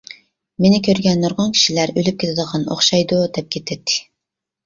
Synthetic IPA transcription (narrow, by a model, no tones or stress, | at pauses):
menɪkʲʰøɾɡʲɛnːoɾʁɑnkʲʰi̥ʃilæɾølyp̚kʲet̪ʰɪd̪əʁɑno̰χʃɑjd̪ud̪ɛp̚kʲʰet̪ʰːɪt̪ʰːɪ̥